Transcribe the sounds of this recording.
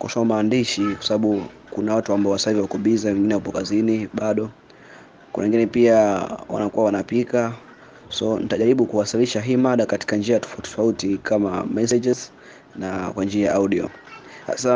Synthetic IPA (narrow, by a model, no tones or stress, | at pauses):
kwa̰samaːndiʃikwḁsaɓaɓukunawatuambaɔwasahiviwakuɓizawɛŋɡinɛhupɔkaziniɓaɗɔ | wɛ̰ŋɡinɛpiawa̰nakuwawanapika | sɔnitaʄaɾiɓukuwasiliʃaɦiːmaɗakati̥kand͡ʒiatɔ̥ftɔ̥fautikama̰mɛsɛd͡ʒɛz | nakwand͡ʒiajaʔauɗiɔ̰ha̰sa